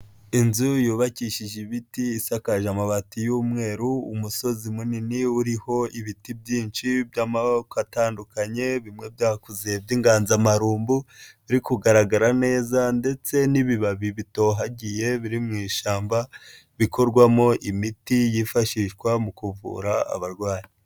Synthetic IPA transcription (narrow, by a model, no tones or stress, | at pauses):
inzujuːβaciʃiʒiβitiːsakaʒamaβatijuːmŋe̞ːɾuṵmuso̞zimuniniuɾiho̞iβitibɟiːnt͡ʃibjamakataːndukaɲe̞βimŋe̞bjaːhkuzeebjiːŋɡaːnzamaɾuːmbuβiɾikuɡaɾaɡaɾane̞ːzande̞t͡se̞niβiβaβiβito̞ːɦaɟije̞βiɾimŋiːʃaːmba | βiko̞ɾɡwamo̞ʔimitijifaʃiʃɡwamukuvṵːɾaa̰βaɾɡwaːɲi